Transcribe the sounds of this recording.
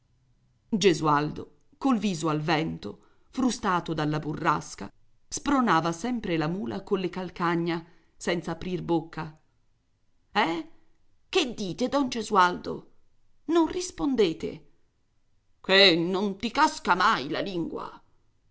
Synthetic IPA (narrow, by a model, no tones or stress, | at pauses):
d͡ʒezuald̪o | kolviːzoalvɛnt̪o | fɾust̪aːt̪od̪alːaburːaska̰ | spɾonaːvasɛmpɾelamuːlʔa̰kolːekalkaɲːa | sɛnt̪saːpɾirbokːa | ɛ | ked̪ːiːt̪ed̪ɔnd͡ʒezuald̪o̰ | nonrispond̪eːt̪ḛ | kenːont̪ikaskamajla̰liŋɡwa̰